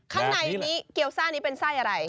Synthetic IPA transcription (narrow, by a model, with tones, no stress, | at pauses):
kʰa˦˥ŋna˧˩jniː˦˥ki˨˩əwsaː˥˩niː˦˥pe˧nsaː˥˩jʔa˧ɾa˧j